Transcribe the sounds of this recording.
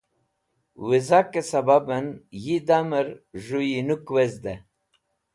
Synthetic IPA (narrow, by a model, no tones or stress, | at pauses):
wizakesɐbabənjid̪aməɾʒujinukwezd̪e